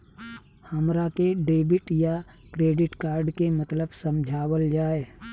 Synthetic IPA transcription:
həmɾakeɖeːbɪʈja | kɾeːɖɪʈkaːɾɖkemət̪ləbsəmd͡ʒʱaːwəld͡ʒaːe

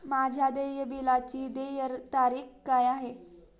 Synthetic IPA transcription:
mad͡ʑʱjad̪əjəbilat͡ɕiːd̪ejəɾt̪aɾiːxkːajaɦe

